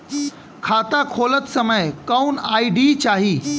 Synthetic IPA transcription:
kʰat̪akʰolət͡ssəməjkəwnaiɖiːt͡ɕaɦiː

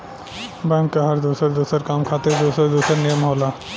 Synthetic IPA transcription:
bɛ̃ŋkːaɦɐɾd̪usəɾd̪usəɾkamkʰat̪eɾd̪usəɾd̪usəɾnijəmɦola

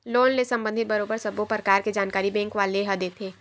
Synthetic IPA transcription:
loːnlesɐ̃mbə̃nd̪ʱɪt̪̚bɐɾoːbəɾsɐbopɾəkaːɾked͡ʒaːnkaːɾibɛ̃ːŋkʋaːleɦɐd̪et̪ʰeː

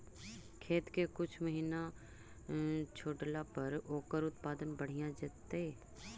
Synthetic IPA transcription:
kʰeːt̪kekʊt͡ʃʰməɦiːna | t͡ʃʰoːɖlapɐɾoːkəɾʊt̪paːd̪ənbɐɽ̤ijad͡ʒaːt̪e

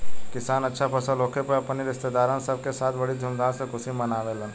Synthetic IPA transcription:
kɪsaːnɐtːʃʰapʰɐsaloːkʰepəɐpniɾɪst̪ed̪aːɾãnsɐb̚kesaːt̪ʰbɐɽid̪ʱʊmd̪aːlsekʊsimɐnaːʋelɐ

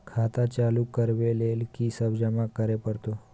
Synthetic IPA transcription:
kʰat̪at͡ʃalukəɾʋelelkisəbd͡ʒamãkəɾepəɾt̪o

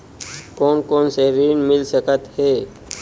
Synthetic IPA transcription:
koːnkoːnseɾiːnmɪlsəkət̪heː

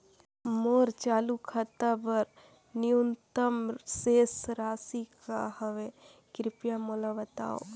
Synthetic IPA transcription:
moːɾt͡ʃaːlukʰət̪abɐɾ | niunt̪əmseːsɾaːsikahəʋe | kɾɪpjamolaʋɐt̪a̰ːo̰

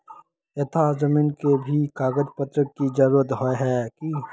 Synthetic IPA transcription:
et̪ʰad͡ʒəmiːnkebʱikaːɡəd͡ʒpət̪ɾəkːid͡ʒɐɾuːɾət̪ɦoeɦɛːki

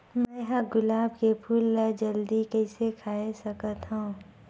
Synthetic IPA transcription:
mɛ̃ɦãɡʊlaːbkepʰuːlːəd͡ʒɐld̪ikɛːsekʰaːesɐkət̪ɦũ

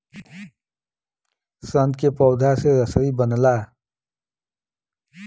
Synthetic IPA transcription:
sənd̪kepɔʊd̪ʱaseɾəsəibənla

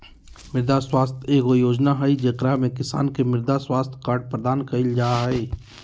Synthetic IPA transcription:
mɪɾd̪aswaːst̪ʰeːkojoːd͡ʒnaɦɛid͡ʒekɾamẽkɪsa̰ːnkemɪɾd̪aswaːst̪ʰkaːɾʈ̚pɾəd̪aːnkɐɪld͡ʒaːɦeː

